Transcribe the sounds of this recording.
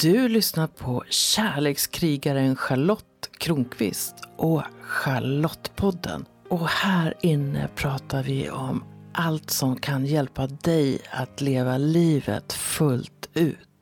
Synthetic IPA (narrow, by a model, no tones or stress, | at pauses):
d̪̥ɵlʏsnaɾpʰɔɕæːɭeːkskʰɾiːɡaɾənɧaɭɔt̪ːkʰɾuːŋkʰvɪ̰st̪ʔɔɧaɭɔt̪ːpʰɔd̪ːə̰n | ɔhæːɾɪnːə̰pʰɾɑːt̪aɾvɪ̰ɔmʔalt̪sɔmkʰanjɛlpad̪ɛja̰t̪leːvaliːvə̰t̪fɵlt̪ʉ̟̰ːt̪